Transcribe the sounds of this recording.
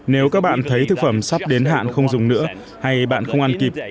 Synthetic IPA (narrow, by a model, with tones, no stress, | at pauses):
ne˨˦wkaː˦˥k̚ɓa̰ː˧˨nt̪ʰə˨˦jt̪ʰɨ˨˩k̚fə˧˩msa˦˥p̚ɗe˨˦nɦa̰ː˧˨nxə˧wŋ͡mzʊ˨˩ŋ͡mnɨ̰˧˥ə | ha˧jɓa̰ː˧˨nxə˧wŋ͡mʔa˧nki˨˩p̚